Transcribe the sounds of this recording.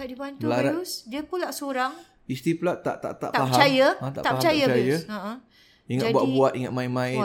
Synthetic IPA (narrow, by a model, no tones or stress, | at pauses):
kaʔdibant̪ulaɾausdiəpulaʔsoɾaŋ | ist̪iplaʔt̪a̰ʔt̪a̰ʔt̪a̰ʔt̪aapɦat͡ʃajə̃t̪a̰ʔ̪aʔaət͡ʃajaajaə̃ʔə̃ | iŋabuaʔbuat̪iŋat̪̚mãɪnmãɪ